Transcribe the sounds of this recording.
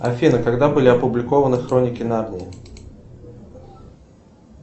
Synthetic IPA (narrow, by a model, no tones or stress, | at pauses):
ɐfʲinɨkaɡd̪abɨlʲɪɐpʊblʲɪkovənɨxɾonʲɪkʲɪnarnʲɪː